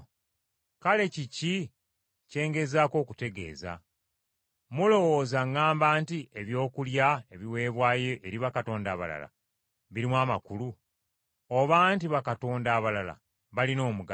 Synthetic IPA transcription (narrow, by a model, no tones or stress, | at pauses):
kale̞cici | ce̞ːŋɡe̞zaːko̞ːkute̞ɡe̞̰ːza̰ | mulo̞wo̞ːzaŋːaːmbaːntieβjo̞ːkuljae̞βiwe̞ːβwaːje̞ʔeɾiβakato̞ːnda̰ːβa̰la̰la̰ | βiɾimwaːmakulu | oβaːntiβakato̞ːndaːβalala̰ | βalino̞ːmuɡa